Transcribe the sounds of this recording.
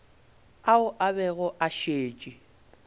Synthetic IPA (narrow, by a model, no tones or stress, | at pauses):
aʊʔaβɛɣʊʔaʃeːt͡ʃʼi